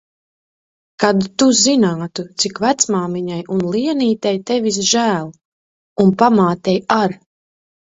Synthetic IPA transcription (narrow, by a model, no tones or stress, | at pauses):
kad̪t̪uzinaːt̪ut̪sikvæt̪smaːmiɲajʔunlˠiɛniːt̪ɛjt̪ɛvis̬ʒæːlˠ | unpamaːt̪ɛjaɾ